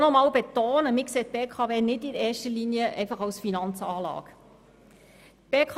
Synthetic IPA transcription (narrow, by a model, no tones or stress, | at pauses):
nɔmɑːwbet̪oːnəmɪkseːt̪̚b̥eːkʰɑːveːnɪdɪɛːʃtəliniəʔɛɪfɑχɑwsfinɑnt͡sɑːlɑ̰ːɡ | b̥eːkʰ